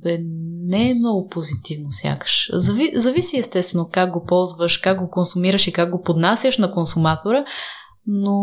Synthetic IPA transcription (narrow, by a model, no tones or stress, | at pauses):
ɛnɛmnɔɡʊpozit̪ivnosʲja̰kə̥ʃzɐvizɐvisiɛst̪ɛst̪vɛnokaɡ̚ɡopɔlˠzvəʃkak̚ɡokonsumiɾəʃikaɡ̚ɡopod̪nasʲjəʃnɐkonsumat̪oɾə | no